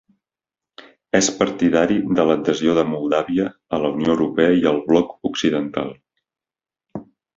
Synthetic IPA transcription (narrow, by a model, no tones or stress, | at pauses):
ɛspəɾt̪iðaɾiðələd̪əzioðəmulˠd̪aβiəːləunioːwɾupɛəiəlˠβlɔkuksiðənt̪a̰lˠ